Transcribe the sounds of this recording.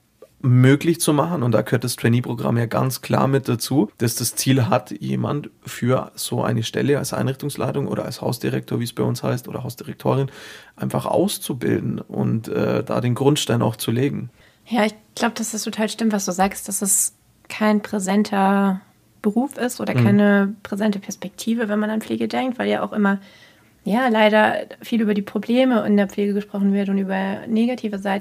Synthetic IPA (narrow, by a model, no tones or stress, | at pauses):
møːklɪçt͡sumaχn̩ʊntd̥aːkəhøːɐt̚d̥astʁ̥ɛniːpʁ̥oɡʁa̰mjaːɡa̰nt͡skʰl̥a̰ːɐmɪt̚d̥at͡suːd̥asd̥ast͡siːlɦatjḛːma̰ntfyːɐz̥oːʔa̰ɪnəʃtɛ̰ləalsʔa̰ɪnʁɪçtʊŋslʔa̰ɪtʊŋʔo̰ːɾɐ̰a̰lshaʊsd̥iʁɛk̚tʰoːɐviːsb̥aɪʔʊnsha̰ɪstʔoːdɐɦaʊsd̥iʁɛk̚tʰo̰ːʁɪnʔaɪnfaχʔa̰ʊst͡subɪ̰ldn̩ʔʊ̰ntʔɛ̰ːda̰ːdeːnɡʁʊntʃtaɪnaʊxt͡suleːɡŋ̩ | jaːɪçɡ̥laʊbəd̥asɪstʰotʰaːlʃtɪmtvasd̥uːzaːkstd̥asd̥as | kʰaɪnpʁ̥ezɛntʰɐ | b̥əʁuːfɪstʔoːdɐkʰaɪnəpʁ̥ezɛntəpʰɛɐspɛk̚tʰiːvəvɛnmananpp͡fleːɡədɛŋk̚tv̥aɪljaːʔa̰ʊxʔɪmɐ | jaːlaɪɾɐfiːlyːbɐdiːpʁ̥obleːməɪ̰ndeːɐp͡fleːɡəɡəʃpʁ̥ɔχn̩vɪɐtʊntʔyːbɐneːɡatʰiːvəzaɪt